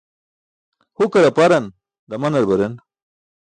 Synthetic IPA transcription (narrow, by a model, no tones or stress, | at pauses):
hukɐɾɐpaɾɐn | d̪ɐmɐnɐɾbɐɾen